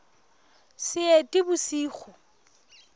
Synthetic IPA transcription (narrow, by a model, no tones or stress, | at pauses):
sɪetʼɪbʊsiːχʊ